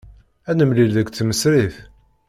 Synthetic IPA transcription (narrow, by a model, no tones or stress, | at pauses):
ænəmlilðəkʷt͡sːməsɾiθ